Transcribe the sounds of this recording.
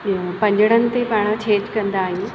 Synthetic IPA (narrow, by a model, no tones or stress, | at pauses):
pɐ̃ɲd͡ʑəɽ̃ənɪ̆t̪epaːɽ̃ət͡ɕʰeːd͡ʑkɐ̃nd̪aːɦijũː